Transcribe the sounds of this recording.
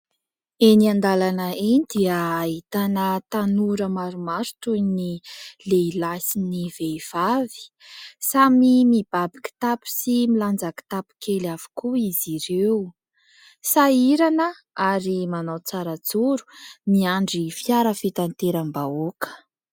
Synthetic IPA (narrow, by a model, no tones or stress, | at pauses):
eniand̪alanəinid̪iəːɦit̪anət̪anuɾəmaɾumaɾtunileilasiniveiv̥avi̥ | samimib̥abi̥ki̥t̪apu̥similand͡zaki̥t̪api̥kʰelav̥u̥kuiziɾewu | saiɾanə | aɾimanawt͡saɾət͡suɾu̥miaɳɖ͡ʐifiaɾəfit̪ant̪eɾambaokə̥